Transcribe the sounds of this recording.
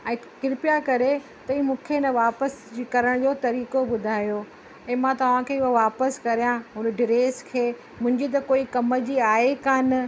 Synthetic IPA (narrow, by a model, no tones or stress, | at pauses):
ɛ̃ːkɪɾɪpjakɐɾe | t̪ɐĩːmũːkʰenɐʋaːpəskɐɾəɽ̃d͡ʑoːt̪ɐɾiːkobʊd̪ʱaːjo | ɛ̃ːmãt̪ɐʋ̤ãkʰeːɪɦoʋaːpəskɐɾijãɦʊnəɖɪɾeːskʰeː | mʊ̃ɦɪ̃ɲd͡ʑit̪̬ɐkoːikɐmə̆d͡ʑiːaːekaːnɪ